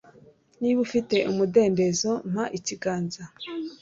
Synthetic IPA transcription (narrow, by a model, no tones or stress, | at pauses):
niβufite̞ʔumude̞ːnde̞zo̞m̥haʔiciɡaːnza